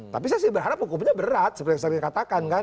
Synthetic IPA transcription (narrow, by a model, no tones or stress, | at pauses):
t̪apis̬asɪhbərɦaɾap̚hukupɲabəɾat̪̚səpərt̪iksaɾɲakat̪akanka